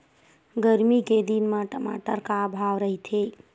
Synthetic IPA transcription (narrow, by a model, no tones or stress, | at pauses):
ɡəɾmiked̪inmãʈəma̰ʈəɾkabʱaʋɾəɦit̪ʰe